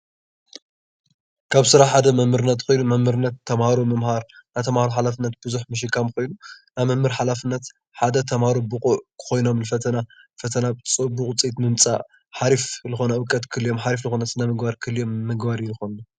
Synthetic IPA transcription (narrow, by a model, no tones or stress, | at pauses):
kʰaβsɨɾaħad̪ɐmɐmɨɾɨnːɐt̪kʰo̞jnumɐmhɨɾɨnɐt̪ʰːɐmhaɾumɐmhaɾnajt̪ʰɐmhaɾuħalafɨnːɐt̪bɨzuħmɨʃ̬ɨkʰːamko̞jnunajmɐmːɨɾħalafɨnːɐt̪ | ħad̪ɐt̪ʰɐmhaɾubukʼuʔkʰɨ̥xo̞jno̞mlɨfɐt̪ʰɐnafɐt̪ʰɐnat͡sʼɨbukʼt͡sʼit̪mɨmt͡sʼa̰ | ħaɾiflɨxonɐɨkʼːɐt̪kʰɨljo̞mħaɾiflɨxonɐsɨnamɨɡbaɾkʰɨljo̞mːɨɡbaɾjilɨxonːu